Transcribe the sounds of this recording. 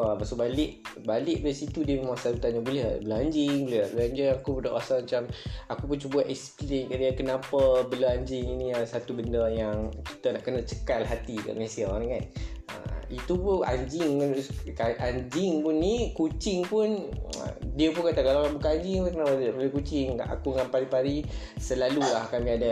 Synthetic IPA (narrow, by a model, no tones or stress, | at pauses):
amaʔsoʔbalɪʔbalɪʔdaisit̪udiəməmasaɾut̪anɲabulɛhbəlaɲd͡ʒɪŋbulɛbəlaɲd͡ʒiŋakupudaʔwasamat͡ʃamakupunt͡ʃubaʔɛksplɪŋkaʔdiakənapəbəlaaɲd͡ʒɪŋinĩasat̪ubəndəjaŋki̥t̪anahkənat͡ʃə̥kalɦat̪ika̰ʔməesiaaɾiŋanə̰it̪upʊna̰ɲd͡ʒɪŋanskaʔaɲd͡ʒɪŋpʊnːikut͡ʃɪŋpʊnə̰diəpunkat̪akalakabukaʔaɲd͡ʒɪŋpʊnkənapablukut͡ʃɪŋa̰kuŋanpaɾipaɾi | səlalulakamĩada